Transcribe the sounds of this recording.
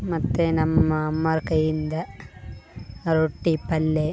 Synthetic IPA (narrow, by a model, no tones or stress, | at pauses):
mɐt̪ːenɐmːɐːmːɐɾkɐjind̪ɐ | ɾoʈːipɐlːe